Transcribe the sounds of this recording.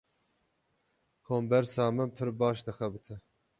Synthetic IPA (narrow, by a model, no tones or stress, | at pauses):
kʰoːmbɛɾsɑːmɨpʰɨɾbɑːʃd̪ɨxɛbɨt̪ʰɨ